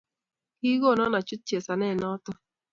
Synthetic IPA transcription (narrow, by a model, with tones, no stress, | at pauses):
ki˦ɡo˦˨nɔ˦na˨t͡ʃu˦t̚t͡ʃe˨sa˨nɛ˦˨nɔ˦tɔ˦